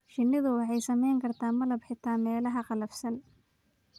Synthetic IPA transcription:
ʃɪnːɪðʊwɑħɑjsɐmɛjŋkʰɐrt̪ʰaːmɐlɐbħɪt̪ʰaːnmɛːlɐɦɐqɑlɐfsɐn

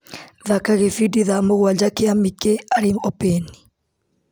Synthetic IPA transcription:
ðakaɣefidiðamoɣwad͡ʒakeamikeaɾiŋɔpɛni̥

